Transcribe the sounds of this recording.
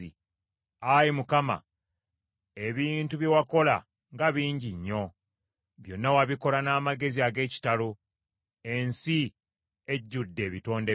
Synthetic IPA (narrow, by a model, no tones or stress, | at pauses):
i | ajimukama̰ | e̞βiːntuβjewako̞la̰ | ŋɡaβiːɲɟiɲːo̞ | βjo̞nːawaβiko̞lanaːmaɡe̞ziaɡe̞ːci̥talo | e̞nsi | e̞ɟːudːe̞ːβito̞ːnde